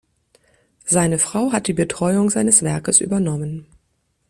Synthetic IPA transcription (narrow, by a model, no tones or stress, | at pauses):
z̥aɪnəfʁ̥aʊɦat̚d̥iːbətʁ̥ɔʏʊŋzaɪnəsv̥ɛɐkəsʔy̰ːbɐnɔmən